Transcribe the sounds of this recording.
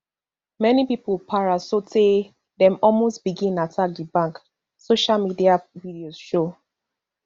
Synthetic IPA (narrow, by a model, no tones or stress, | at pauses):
mɛnipipəlpʰaɹasote | dɛ̃mɔlmostb̥iɡĩnatʰak̚dibãŋk | soʃalmidiavidioz̥ʃo